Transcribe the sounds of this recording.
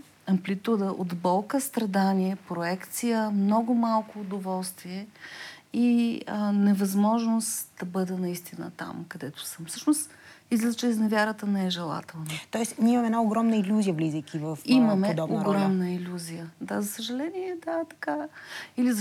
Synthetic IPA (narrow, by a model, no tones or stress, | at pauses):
ɐmplit̪ud̪əʔod̪bɔlˠkəst̪ɾɐd̪aniɛpɾoɛkt̪sijəmnɔɡʊmalˠkʊːd̪ovɔlˠst̪viɛ | iənɛvɐzmɔʒnosd̪̥ɐbɤd̪ənɐist̪inə̰t̪a̰mkɐd̪ɛt̪ʊ̥səmfsɤʃnost̪ | izlʲɛt͡ʃɛznɛvʲjaɾət̪ənɛɛʒɛlˠa̰t̪ɛlˠnət̪ɔɛsnʲiɛimɐmɛnaoɡɾɔmnəilʲuzijəvlizəjkʲʰivəfiməmɛd̪ɔoɡɾɔmnəilʲuzijəd̪azɐsəʒɐlɛniɛd̪at̪ɐ̥kailiz